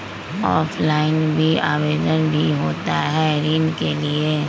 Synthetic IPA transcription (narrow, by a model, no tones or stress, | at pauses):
ɔːfʰlaːɪnbʱiaːʋeːd̪ənbʱiɦoːt̪a̰ɦɛɾiːnkelieː